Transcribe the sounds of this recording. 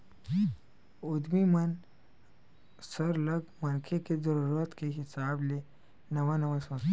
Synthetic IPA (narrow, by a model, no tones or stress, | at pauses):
ʊd̪mimɐn | sɐɾlɐɡmɐnkʰekezɐɾuɾət̪keɦɪsaːble | nɐwanɐwaswɐs